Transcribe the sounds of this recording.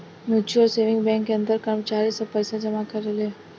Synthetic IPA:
mjut͡ʃuəlseʋɪŋɡbɛ̃ŋkːeənd̪əɾkəɾmət͡ʃaɾisəpəjsad͡ʒəmakəɾele

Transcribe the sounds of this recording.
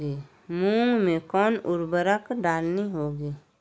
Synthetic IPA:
eː | mũːŋɡmẽkɔːnʊɾbəɾəkɖaːlniɦoːɡiː

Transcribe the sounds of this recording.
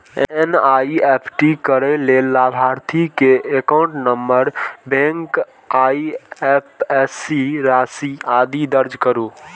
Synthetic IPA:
enaiepʰʈikəɾɛlelːabʱaɾt̪ʰikeekaʊ̃ɳʈnəmbəɾbẽŋk | aiepɛsiɾasiad̪id̪əɾd͡ʒkəɾu

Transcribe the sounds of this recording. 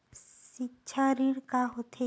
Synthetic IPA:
siʃʰaɾiɽkaɦot̪ʰe

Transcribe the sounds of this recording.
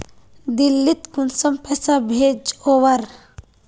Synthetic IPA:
d̪ilːit̪kunsɐmpɛsabʱeːd͡ʒowɐɾ

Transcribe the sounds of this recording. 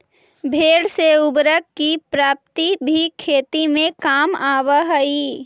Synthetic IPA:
bʱeːɽseʊbɾəkkːipɾaːp̚t̪ibʱikʰeːt̪imẽkaːmaːʋəɦəi

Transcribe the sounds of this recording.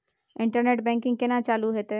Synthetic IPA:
ɪ̃ɳʈəɾneːʈbɛ̃ŋkɪ̃ŋɡkenat͡ʃaːluɦeːt̪e

